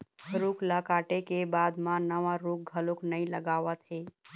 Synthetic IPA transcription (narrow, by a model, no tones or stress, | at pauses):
ɾukləkaʈekebad̪mãnəʋaɾuk̚ɡʱəloknəjləɡaʋət̪ɦe